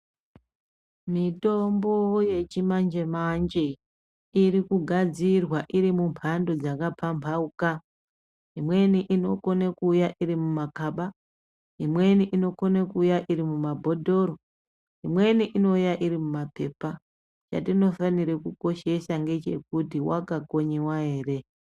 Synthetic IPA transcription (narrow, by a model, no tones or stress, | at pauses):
mitombo̞je̞t͡ʃimand͡ʒe̞mand͡ʒe | iɾikuɡʱad͡zirwaʔiɾimumpʰando̞d͡zakapʰampʰauka | ɦimwe̞niʔino̞ko̞nekuːjaʔiɾimumakaɓa | imwe̞niʔino̞konekujaʔiɾimumabʱo̞dʱo̞ɾo | ɦimwe̞niʔino̞ujaʔiɾimumape̞pa | t͡ʃa̰tino̞faniɾekuko̞ʃe̞saŋɡe̞t͡ʃe̞kutiwa̰kako̞ɲewae̞ːre̞